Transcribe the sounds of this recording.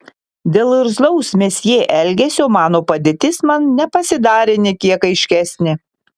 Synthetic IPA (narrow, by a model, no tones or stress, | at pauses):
d̪ʲeːlˠɪɾzlˠɔʊsmʲesjeːʔɛlʲɡʲɛsʲɪoːmɑːnoːpɐd̪ʲeːt̪ʲɪsmɐnnʲɛpɐsʲɪd̪ɑːɾʲenʲekʲiɛkɐɪʃʲkʲæsʲnʲɪ